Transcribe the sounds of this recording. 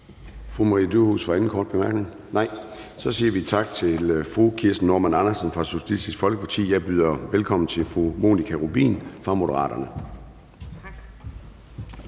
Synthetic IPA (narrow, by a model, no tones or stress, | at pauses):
fʁumɑʁḭːəd̥uhṵsʋɑ̈en̩kʰɒ̰ːd̥̚b̥emæɐɡ̥ne̝ŋ | nɑ̈ɪ | sɒ̽siːɐʋit͡sʰɑ̈ɡ̥̚t͡sʰe̝lfʁukʰiɐsd̥n̩ːoːmænɑ̈nɐsnfʁɑ̈suɕælisd̥isɡ̥fɒ̽lɡ̥əpʰɑt͡sʰḭːjɑ̈ɪb̥yːð̞ˠɐʋelkʰɒ̽m̰n̩t͡sʰe̝lfʁumo̝̰ːnikʰæʁub̥ḭːnfʁɑ̈mo̝d̥əʁɑ̰̈ːd̥ɐnə